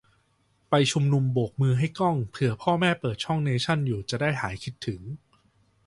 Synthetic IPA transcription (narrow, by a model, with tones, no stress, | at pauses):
pa˧jt͡ɕʰu˧mnu˧mboː˨˩k̚mɯː˧ɦa˥˩jkɔ˥˩ŋpʰɯ˨˩ɐpʰɔː˥˩mɛː˥˩pɤː˨˩t̪̚t͡ɕʰɔ˥˩ŋneː˧t͡ɕʰa˥˩njuː˨˩t͡ɕa˨˩daː˥˩jhaː˩˦jkʰi˦˥t̪ʰːɯ˩˦ŋ